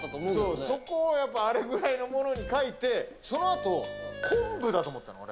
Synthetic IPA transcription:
soːso̞ko̞ːjapːaːɾe̞ɡɯ̟ɾaino̞mo̞no̞ɲ̟ikait̪e̞so̞no̞at̪o̞kʰõmbɯ̟d̪at̪o̞ːmot̪ːanoo̰ɾe

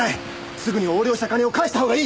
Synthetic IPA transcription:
ai | sɨɡɯ̟ɲ̟io̞ːɾʲjo̞ːɕi̥t̪akaɲʲeo̞kaiɕit̪aɦo̞ːɡaiː

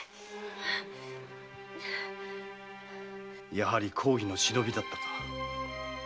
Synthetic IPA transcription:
jaɦaɾʲikʰo̞ːçʲino̞ɕino̞bʲid̪at̪ːḁt̪ḁ

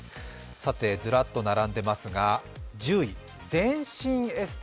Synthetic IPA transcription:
sat̪e̞d͡zɨɾat̪ːo̞naɾãnd̪e̞masɨɡad͡ʑɨːi | d͡zẽ̞ɰ̃ɕĩɰe̞sɨ̥t̪

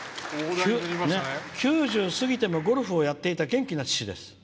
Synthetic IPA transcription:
nekʲɨːʑɨːsɨɡʲit̪e̞mo̞ɡo̞ɾɯ̟ɸɯo̞jat̪ːe̞it̪aɡẽ̞ŋkʲinat͡ɕi̥ɕid̪e̞sɨ̥

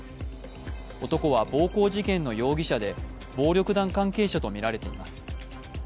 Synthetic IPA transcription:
o̞t̪o̞ko̞βabo̞ːko̞ːʑikẽ̞nːo̞jo̞ːɡʲiɕad̪e̞ | bo̞ːɾʲo̞kɯ̟d̪ãŋkãŋke̞ːɕat̪o̞mʲiɾaɾe̞t̪e̞ḭmasɨ̥

